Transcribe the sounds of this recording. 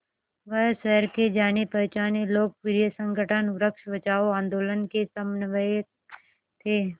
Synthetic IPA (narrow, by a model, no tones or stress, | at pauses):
ʋəɦʃəɦɾked͡ʒaːnepəɾt͡ʃaːneloːɡ̚pɪɾijəsə̃ŋɡəʈʰənɾəkʃʋət͡ʃaːoãːnd̪oːlənkesəmnʋəe | t̪ʰeː